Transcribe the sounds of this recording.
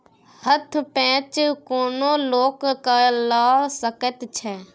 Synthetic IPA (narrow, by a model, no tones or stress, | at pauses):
hət̪ʰpɛ̃ːt͡ʃkoːnoːloːkkəlaːsəkət̪t͡ʃʰɛː